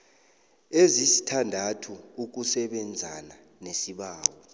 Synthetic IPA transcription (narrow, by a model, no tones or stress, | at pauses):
ezisi̥tʰandʱatʰuuk̬usɛɓɛnd͡zʱana | nesiɓaːwɔ